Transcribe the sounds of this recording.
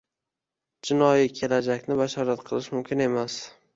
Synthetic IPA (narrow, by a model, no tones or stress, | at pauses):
d͡ʒɪnɒjikʲʰe̞lad͡ʒakʲnɪbaʃɒɾat̪qʰɨlˠɪʃmʊmkʲʰɪne̞mas